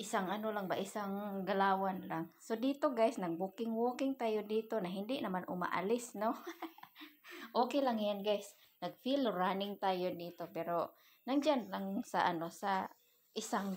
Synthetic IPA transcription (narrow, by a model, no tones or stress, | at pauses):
ʔɪsaŋanolaŋbaʔɪsaŋɡalaːwanlaŋsod̪iːt̪oɡajsnaɡ̚bukɪŋwoːkɪŋt̪aːjod̪iːt̪onaɦɪnd̪ɪʔnamanʔʊ̰ma̰ʔa̰lɪsno | ʔoːkɛlaŋjanɡajs | naɡ̚filɾanɪŋt̪aːjod̪iːt̪opɛɾo | naŋd͡ʒanlaŋsa̰ʔanosa | ʔɪsaŋ